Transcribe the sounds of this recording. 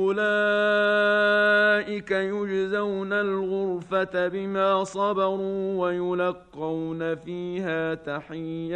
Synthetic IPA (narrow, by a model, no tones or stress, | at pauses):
ʔʊlaː | ʔɪkajʊd͡ʒzawnalɣʊɾfat̪abɪmaːsˤɑbɑɾuːwajʊlɑqːɑwnafiːhaːt̪aħɪjːa